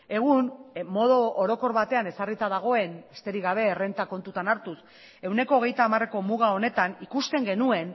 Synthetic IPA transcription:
e̞ɣ̞unmo̞ðooɾo̞ko̞ɾβat̪e̞ane̞sarit̪aðaɣ̞o̞e̞nest̪e̞ɾiɣaβ̞e̞ːre̞nt̪ako̞nt̪ut̪anaɾt̪us | e̞wne̞ko̞ːɣ̞e̞jt̪aːmare̞ko̞muɣ̞ao̞ne̞t̪anikust̪e̞ŋɡe̞nue̞n

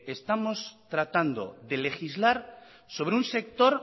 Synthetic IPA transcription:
est̪amost̪ɾat̪and̪o̰ðelexizlaɾ | soβ̞ɾeunse̞k̚t̪oɾ

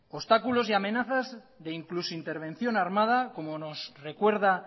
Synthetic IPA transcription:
ost̪akulo̞siamẽ̞naθaz | ðe̞iŋklusint̪e̞ɾβ̞ẽ̞n̟θjo̞naɾmað̞ako̞mono̞sre̞kwe̞ɾða

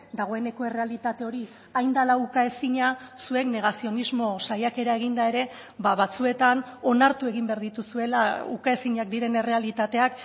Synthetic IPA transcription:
d̪aɣ̞o̞e̞ne̞ko̞e̞re̞alit̪at̪e̞o̞ɾi | ajnd̪alaukae̞siɲasue̞kne̞ɣasio̞nizmo̞sajake̞ɾae̞ɣind̪ae̞ɾe̞ | baβat͡sue̞t̪ano̞naɾt̪ue̞ɣ̞imbeaɾðit̪usue̞laukae̞siɲak̚d̪iɾe̞ne̞re̞alit̪at̪e̞ak

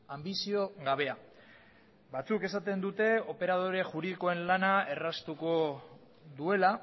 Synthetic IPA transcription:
ambisio̞ɣaβ̞e̞a | βat͡suke̞sat̪e̞nd̪ut̪e̞o̞pe̞ɾað̞o̞ɾe̞ʝuɾiðiko̞e̞nlanae̞rast̪uko̞ | ðue̞la

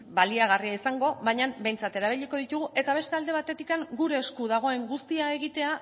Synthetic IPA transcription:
baliaɣ̞ariaisaŋɡo̞βajɲambe̞jnt͡sat̪e̞ɾaβ̞iʎiko̞ð̞it̪uɣ̞uʔe̞t̪aβ̞e̞st̪e̞ald̪e̞β̞at̪e̞t̪ikaŋɡuɾe̞ːskuðaɣ̞o̞e̞ŋɡust̪iae̞ɣ̞it̪e̞a

